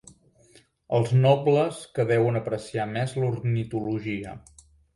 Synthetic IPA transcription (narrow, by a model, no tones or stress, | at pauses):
əlˠznɔbləskəβɛwənəpɾəsiamɛzluɾnit̪uluʒiə̰